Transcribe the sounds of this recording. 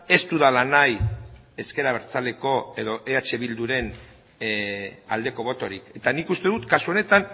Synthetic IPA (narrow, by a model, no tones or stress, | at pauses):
e̞st̪uðalanaje̞ske̞ɾaβe̞ɾt͡sale̞ko̞e̞ðo̞ʔeat͡ʃe̞βild̪uɾe̞n | a̰ld̪e̞ko̞β̞o̞t̪o̞ɾike̞t̪anikust̪e̞ðut̪kasuo̞ne̞t̪an